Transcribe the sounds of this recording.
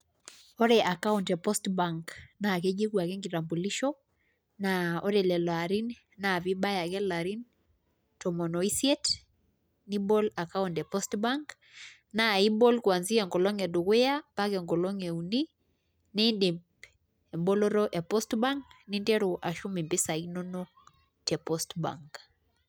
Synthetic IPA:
ɔ˦ɾɛ˨ʔa˨ka˦untɛ˨pɔ˦stbaŋkna˨kɛ˦d͡ʒe˦kwa˨kɛ˦ŋɡi˨ɾa˨mbu˨li˦ʃɔ˦ | naɔ˦ɾɛ˨lɛ˨lɔ˨a˨ɾi˦n | na˨βi˦ɓa˦ja˨kɛ˦la˨ɾi˦n | tɔ˨mɔ˨nɔ˨i˦siɛ˦t | ni˦bɔ˦la˨ka˦untɛ˨pɔ˦stbaŋk | na˨i˦bɔ˦lkwa˨nzi˦ɛŋɡɔ˨lɔ˦ŋɛ˨du˨kwe˦ja˦pakɛŋɡɔ˨lɔ˦ŋɛ˨uni | ninde˨ | ɛ˨mbɔ˦lɔ˦ɾɔʔɛ˨pɔ˦stba˦ŋknindɛ˦ɾo˨ʔa˨ʃu˦mi˨mbɪ˦sa˨ino˦nɔ˦ | tɛ˨pɔstba̰ŋk

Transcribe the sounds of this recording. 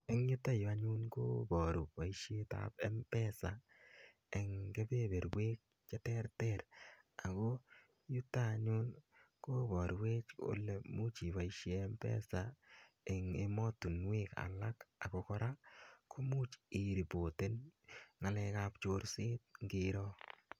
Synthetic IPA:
e˦ŋju˦ta˦jo˨a˦ɲu˦nko˦bɔ˨ɾu˨pa˨iʃe˦ta̰pɛ˦mpɛ˦sa˨ | e˨ŋke˦be˦be˨ɾwe˦k̚ | t͡ʃa˦tɛ˦rtɛɾ | a˨ko˦ | ju˦tːa˦ɲʊ˦n | ko˦bɔ˨ɾwe˦t͡ʃo̰˦le˨mu˦t͡ʃi˨ba˨iʃeː˦mpɛ̰˦sa˨ | ɛ˨ŋe˨mɔ˦tu˨nwe˦ka̰˨la˦ka˨ko˧kɔ˦ɾa˦kʰo˦mu˦t͡ʃi˨ɾi˨bo˨te˦nŋa˨lɛ˧ka˦pt͡ʃo˧ɾsɪ˦t̪̚ŋɡɪ˨ɾɔ˦

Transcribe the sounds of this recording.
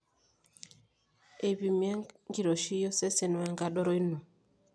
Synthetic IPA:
e˨βi˨mja˦ŋɡi˨ɾɔ˨ʃi˦jɔ˦sɛ˦sɛ˨nwa˨ŋɡa˦ɗɔ˦ɾɔ˦i˦nu˨

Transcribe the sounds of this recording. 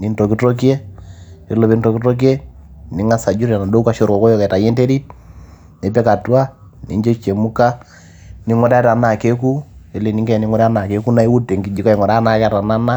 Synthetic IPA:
ni˨˦nto˨ki˦to˦k̬e˦ | e˨˦lo˨βe˦nto˨ki˦to˦k̬i˦e˦ni˨˦ŋa˦sa˨d͡ʒu˦ɾa˨na˨do˦uka˨ʃo˦ɾkɔ˨kɔ˦jɔ˦kɛ˨ta˨je˦nte˦ɾi˦t̚ | ne˨˦pɛ˦ka˨twa˦ | ni˦ɲd͡ʒo˦t͡ʃe˨mu˦ka˦ | ni˦ŋɔ˦ɾa˦ta˨na˨ke˦ku˦i˨le˨ni˦ŋɡɛ˦˨ni˦ŋɔ˦ɾa˦na˨ke˦ku˦na˦i˦wu˦te˨ŋɡi˨d͡ʒi˨ka˦i˨ŋɔ˨ɾa˦na˨kɛ˦ta˨na˦na˦

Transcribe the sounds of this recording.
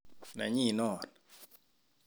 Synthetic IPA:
na̰˨ɲi˦˨nɔ˨n

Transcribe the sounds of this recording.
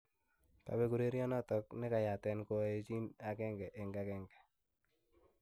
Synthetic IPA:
ta̰˨bɛ˦ku˨ɾe˦ɾjɔ˦nɔ˦tɔ˦knɪ˦ka˨ja˨tɛ˦nko˦e˦t͡ʃi˦na˨kɛ˦ŋɡɛ˨ʔe˨ŋɡa˦kɛ˦ŋɡɛ˨

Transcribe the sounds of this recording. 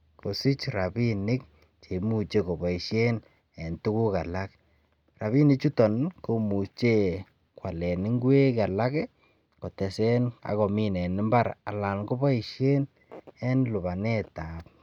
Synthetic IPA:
ko˨si˦t͡ʃɾa˨bi˦nɪ˦k̚ | t͡ʃe˨mu˦t͡ʃe˦ko˨bɔ˨i˨ʃje˦n | ɛ˨ntu˦ku˦ka˨la˦k | ra˨βi˦nɪ˦t͡ʃu˦tɔ˨nko˦mu˨st͡ʃe˦ | kwa˨lɛ˨nɪ˦ŋɡwe˦ka˨la˦kɛ˦ | kɔ˨tɛ˨sɛ˦na̰˨kɔ˨mi˦nɛ˨nɪ˦mba˦ɾa˨la˨nko˦bɔ˦i˨ʃje˦n | ɛ˦nlʊ˨ba˨nɛ˦ta˨p̚

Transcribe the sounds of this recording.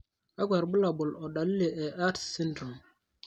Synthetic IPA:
ʔa˦ɡʷa˨ɾbu˦la˨bɔ˨lɔ˨ɗa˨li˦lɛ˨ʔɛ˨ʔa˦tsi˦ndɾu˨m

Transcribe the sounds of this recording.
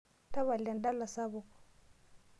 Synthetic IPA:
ta˦βa˨la˨nda˦la˨sa˦βɔ˨kɔ̥˨

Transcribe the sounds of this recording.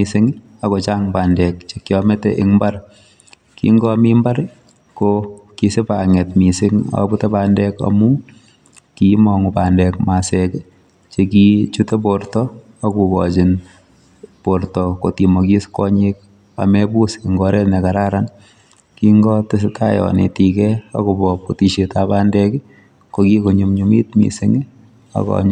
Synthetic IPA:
i˨sɪ˦ŋ | akɔ˨t͡ʃa˦ŋbaː˨ndɛ˨k̚t͡ʃe˨kjɔmɛ˦tɛʔɪŋmba˦ɾ | kḭ˦ŋɡɔ˦mi˦mbaɾ | kokisɪ˦pa˨ŋɛ˨tmi˨sɪ˦ŋa̰bu˦tɛ˦pandɛka̰mu˦ | kimɔŋu˨pa˨ndɛkma˨sɛk | t͡ʃekit͡ʃu˦te˦p̬oɾtɔ | a˦ku˨bɔt͡ʃɪ˨n | po˨ɾtɔko˨ti˨mɔki˦skɔ˦ɲik̚ | a̰˨mɛbu˦si˨ŋɡɔɾɛ˦tne˨ka˨ɾa˦ɾan | kiŋɡɔtɪs̬ɪka˦jɔ̰˨nḛ˨tikɛa̰˦kobɔ˨poti˨ʃetapa˦ndɛk | ko˨ki˦ko˨ɲumɲumḭ˦tmḭ˨sɪŋ | a̰˨kɔ̰ɲ

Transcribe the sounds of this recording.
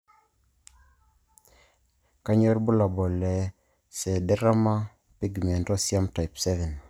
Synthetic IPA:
ka˦ɲɔ˦ɾbʊ˦la˨bɔ˨lɛ˨ | sɛ˨dɛ˦ɾa˦ma˦ | pi˦ɡmɛ˨ntɔ˦sja˦mta˨i˨psɛ˦vɛ˨n

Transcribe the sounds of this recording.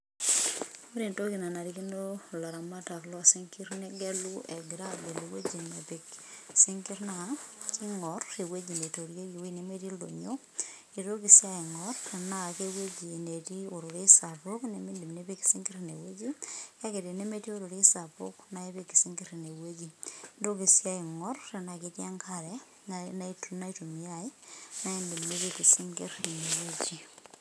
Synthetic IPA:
u˦ɾe˨nto˦ki˨na˨na˨ɾi˦ki˦no˦la˨ɾa˨ma˦ta˨klɔ˦a˨si˦ŋki˦ɾne˦ɡe˦lu˦ɛ˨ɡi˨ɾa˦be˨le˨we˦d͡ʒi˨nne˨pe˨ksi˦ŋki˦ɾnaki˦ŋɔɾe˨we˦d͡ʒi˨ne˨to˨ɾje˦ɾi˨wi˦ne˨me˦ti˦lo̰˨ɲo˦ | e˨ɾo˦ki˨sja˦e˨ŋɔɾna˦˨ke˦we˦d͡ʒi˨ne˨ti˦o˨ɾu˨ɾe˦sa˨po˦kne˦mi˦ndi˨mne˦be˦ki̥˨si˦ŋɡe˦ɾne˨we˦d͡ʒi˦ka˦ke˨te˨ne˦me˦ti˦o˦ɾo˨ɾe˦sa˨po̰˦kna˦e˦βe˦ki˨si˦ŋɡe˦ɾne˨we˦d͡ʒi˨do˦ki˨sja˦i˨ŋɔ˦rːe˨nakitja˦ŋkaɾɛ | na˦i˦tu˦na˦i˦to˨mi˦ai˦na˦e˦ndi˨mne˦pe˨ki˨si˦ŋɡḛ˦ri˨ne˨we˦t͡ʃi˨

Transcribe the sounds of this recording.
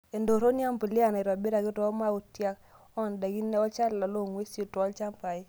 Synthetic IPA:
e˨ndo˨ɾo˦ni˦a˦mbi˨li˦a˨na˨ɾwa˨be˦ɾa˨ɡi˦tɔ˨˦ma˦u˨tja˦k | ɔ˦˨nda˨ɡi˦nɛ˦ɔ˦t͡ʃa˦lːa˨lo˦˨ŋwe˦so˨twɔ˦lt͡ʃa˦mpa˨i˦

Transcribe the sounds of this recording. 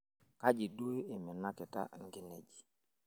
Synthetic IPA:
ka˦d͡ʒi˨du˦e˦ɪ˨mɪ˨na˦kɪ˨ta̰˦ŋ˦ɡɪ˦ne˨d͡ʒi̥˨

